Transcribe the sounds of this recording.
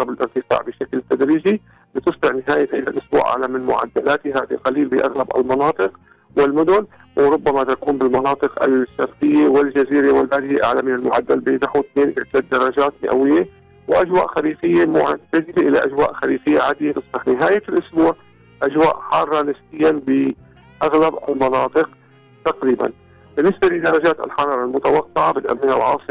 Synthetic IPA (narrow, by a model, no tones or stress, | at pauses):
ɾˤɑbɪlʔɪɾt̪ɪfa̰ːʕbɪʃaklt̪ad̪ɾiːd͡ʒi | bɪt̪ɨsˤbɪʕnɪɦaːjaʔɪla̰lʔʊsbṵːʔa̰ʕlamɪnmʊ̰ʕa̰d̪ːalaːt̪ɪɦaːd̪iqɑliːlbɪʔa̰ɣlabɪ̰lmɑnɑːt̪ˤɨq | wɪlmʊd̪ʊn | wɾˤʊbːamat̪akuːmbɪlmɑnɑːt̪ˤɨqʔa̰lʃːafkɪjːewɪld͡ʒaziːɾewɪlbaːd̪ɪjeʔa̰ʕlamɪnɪlmʊʕad̪ːalbɪnaħwɪt̪neːnʔɪʕd̪aːd̪ːɑɾˤːɑd͡ʒaːt̪mɪ̰ʔa̰wɪjːe | wʔad͡ʒwa̰ːʔxaliːfɪjːemʊʕɪt̪ad̪ilʔɪla̰ʔad͡ʒwaːʔxaliːfɪjːaʕaːd̪ɪjelɨsˤːɨħnɪɦaːjalʔʊsbuːʕ | ʔad͡ʒwa̰ːʔħɑrˤːɑnɪsbɪjːabɪ | ʔaɣlaba̰lmɑnɑːt̪ˤɨq | t̪aqɾiːba̰n | b̥ɪnːɪsbalɪd̪ɑɾˤɑd͡ʒaːt̪ɪ̰lħɑɾˤɑːɾˤɑlmʊt̪awɑqːɪʕabɪt̪ʔa̰mːɪna̰lʕɑ̰ːsˤɨ